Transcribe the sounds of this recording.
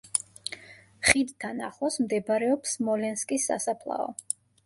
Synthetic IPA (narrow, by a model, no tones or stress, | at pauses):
χid̪t̪ʰːana̰χɔsmd̪ɛbɾɛɔpsmɔlɛnskʼisːa̰sapʰlˠa̰ɔ̰